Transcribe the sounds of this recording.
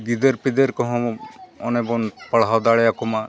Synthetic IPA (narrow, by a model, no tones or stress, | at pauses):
d̪id̪eɾpid̪eɾkɔɦɔ̃ɔnebɔnpəɽɦawd̪aɭɛjakuma